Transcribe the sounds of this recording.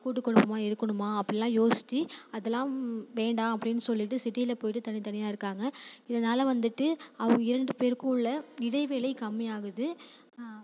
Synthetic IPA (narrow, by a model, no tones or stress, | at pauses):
kuːʈːɯkːɔɳɯmaːɪɾɯkːɐɳɯmaːɐpːɐɽɪlãːjoːsɪ̥t̪ːiɐðɛlːãːʋeːɳɖaːɐpːɐɽɪnːɯsɔlːɪʈːɯsɪʈːiɪlɐpoːjɪʈːɯt̪ɐɳɪt̪ɐɳɪjaːɪɾɯkːaːŋɡɐɪðɐnaːlɐʋɐnd̪ɯʈːɯɐʋɯ̃ŋɡɐɪɾɐɳɖɯpeːɾkʊ̃ɭːɐɪɽɐɪʋeːlɐɪkɐmːɪjaːɣɯðɯ